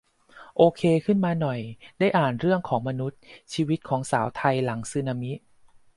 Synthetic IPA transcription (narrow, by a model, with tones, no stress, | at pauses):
ʔoː˧kʰeː˧kʰɯ˥˩nmaː˧nɔ˨˩jdaː˥˩jʔaː˨˩nɾɯ˥˩əŋkʰɔː˩˦ŋma˧nu˦˥t̪̚t͡ɕʰiː˧wi˦˥t̪̚kʰɔː˩˦ŋsaː˩˦wt̪ʰa˧jla˩˦ŋsɯː˧˩na˧mi˦˥ʔ